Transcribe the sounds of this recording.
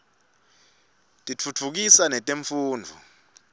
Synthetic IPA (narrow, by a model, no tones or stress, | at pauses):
tʼit͡fʰut͡fʰuk̬isanɛtʼeɱfuːnd͡vʱu